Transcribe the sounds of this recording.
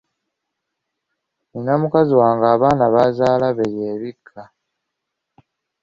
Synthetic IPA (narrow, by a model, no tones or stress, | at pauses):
ninamukaziwaːŋɡaːβaːnaβazaːlaβeɾjeːβikʰːa